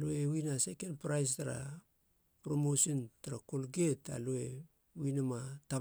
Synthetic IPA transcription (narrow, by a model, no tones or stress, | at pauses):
loewinase̞kenpɾajs̬taɾa̰ | pɾomosontaɾako̞lɡeta̰loe̞ | winamata